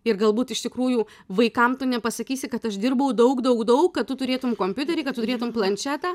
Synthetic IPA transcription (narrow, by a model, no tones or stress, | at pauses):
ɪrɡɐlˠbuːt̪ɪʃt̪ʲɪkɾuːjuː | ʋɐɪkɐmt̪ʊnʲɛpɐsɐkʲiːsʲɪkɐt̪ɐʃd̪ʲɪrbɐʊd̪ɐʊkd̪ɐʊkd̪ɐʊkːɐtt̪ʊt̪ʊɾʲeːt̪ʊmkoːmʲpʲʊt̪ʲɛɾʲɪkɐt̪ʊt̪ʊɾʲeːt̪ʊmplˠɐnʲt͡ʃʲæːt̪ɑː